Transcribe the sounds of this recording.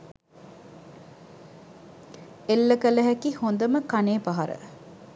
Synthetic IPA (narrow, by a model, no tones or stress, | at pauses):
elːəkələɦækihond̪əməkaneːpaɦɐɾə̰